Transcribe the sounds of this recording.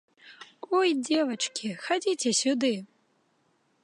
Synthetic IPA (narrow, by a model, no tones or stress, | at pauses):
ɔjd͡zʲɛvɐt͡ʂkʲixad͡zʲit͡sʲɛsʲud̪ɨ